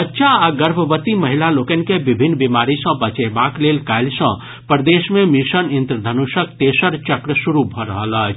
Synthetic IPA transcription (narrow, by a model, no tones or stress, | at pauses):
ətːʃʰaaɡəɾbʱəbət̪iməɦilalokən̆kebibʱinːbimaɾisə̃bət͡ʃebaklelkaɪlsə̰̃ | pəɾd̪esmemisənint̪ɾəd̪ʱənusək̚t̪esəɾt͡ʃəkɾəsuɾubʱɔɾəɦələt͡ʃʰ